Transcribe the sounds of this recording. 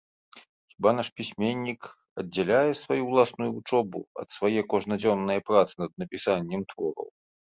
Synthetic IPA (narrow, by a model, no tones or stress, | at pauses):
xʲibanaʂpʲisʲmʲenʲːik | ɐdd͡zʲːalʲajɛsvajuwlˠasnujuut͡ʂɔbṵɐ̰t̪svajɛkɔʐnɐd͡zʲɔnːɨjɐpɾat̪sɨnɐd̪̚nɐpʲisanʲːɛmt̪vɔɾɐ̰w